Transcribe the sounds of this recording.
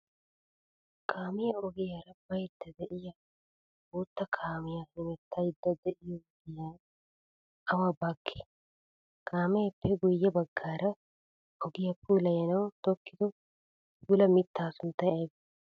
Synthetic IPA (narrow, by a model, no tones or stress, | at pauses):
kʰʼaːmɪjɐɔɡɪjaɾɐbɐjd̪ːɐd̪ɛʔɪjɐ | oːt̪ːɐkʰaːmɪjɐhɪmɛt̪ʰːɐjɪd̪ːɐd̪ɛʔɪjɔɡɪjaː | ɐwabaːkʰːɪ̥ | kʰʼaːmɛjpːɛɡʊjːɐbɐɡːaːɾɐ | ɔɡɪjɐpʰuːlɐjɐnɐwt̪ɔkːɪt̪ɔ | pʰuːlɐmɪt̪ːaːsʊnt̪ːɐjɐjb